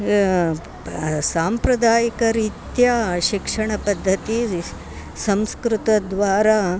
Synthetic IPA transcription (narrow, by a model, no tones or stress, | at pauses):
saːmpɾɐd̪aːjikɐɾit̪jaʃikʂɐɳɐpɐd̪ʱːɐt̪i | sɐmskɾut̪ɐd̪ʋaːɾa